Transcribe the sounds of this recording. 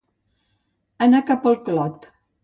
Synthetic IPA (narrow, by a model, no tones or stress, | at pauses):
ənakapəlˠklɔt̪